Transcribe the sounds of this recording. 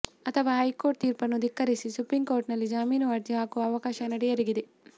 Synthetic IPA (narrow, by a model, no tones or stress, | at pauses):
ɐt̪ʰɐʋaːɦɐjko̞ːɾʈ̚t̪iːɾpɐnːud̪ikːɐɾisisupɾiŋɡkoːɾʈnɐlːid͡ʒaːmiːnɐʋɐɾd̪ʱjɐɦaːkuʋɐːʋɐkaːʃɐnɐɽijɐɾiɡid̪e